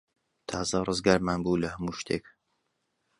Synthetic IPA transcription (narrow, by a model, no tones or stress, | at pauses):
t̪ʰaːzɐrɨzɡaːɾmaːnbuːlɐhɐmuːʃt̪ʰḛːk